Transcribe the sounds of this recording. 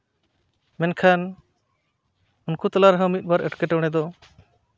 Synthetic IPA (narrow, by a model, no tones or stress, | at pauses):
mɛnkʰan | unkut̪alaɾɦə̃mit̪̚ˀbaɾɛʈkɛʈɛwɽ̃ɛd̪ɔ